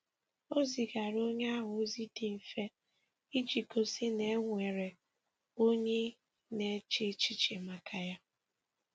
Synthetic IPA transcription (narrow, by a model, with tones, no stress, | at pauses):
o˦zi˨ɡa˨ɾo˦ɲe˦a˦ɦʊ˨˦zi˦di˨m̩˨fe˦ | i˦d͡ʒi˨ko˨si˦ne˦ŋʷe˨ɾe˨ | o˦ɲe˦ | ne˨˦t͡ʃɪ˦t͡ʃi˦t͡ʃe˨ma˨kʰa˨ja˦